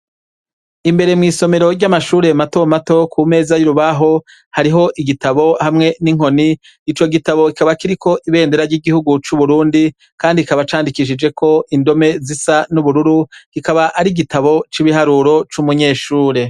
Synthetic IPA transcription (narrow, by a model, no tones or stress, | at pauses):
imbe̞ɾe̞mŋiːso̞me̞ɾoɾɟamaʃuːɾe̞mato̞mato̞kʰume̞ːzajuɾuβaɦo̞ | haɾiɦo̞ʔiɡitaβo̞hamŋe̞niŋ̥ho̞niː | t͡ʃo̞ɡitaβo̞kikaβakiɾikʰo̞ʔiβe̞ːndeɾaɾɟiːɡihuɡut͡ʃuβuɾuːndi | kaːndiikaβat͡ʃaːndikiʃ̬id͡ʒe̞kʰo̞indo̞me̞zisanuβuɾuɾukikaβaʔːɾiɡitaβo̞t͡ʃiβiɦaɾuɾo̞t͡ʃumuɲe̞ːʃuːɾe̞